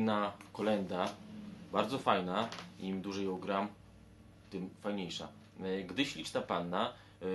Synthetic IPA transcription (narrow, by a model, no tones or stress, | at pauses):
nakɔlɛnd̪abaɾd̪zɔfajnaimd̪uʐɛjɔwɡɾam | t̪ɘmfajɲejʂa̰ | ɡd̪ɘɕlʲit͡ʂt̪apanːa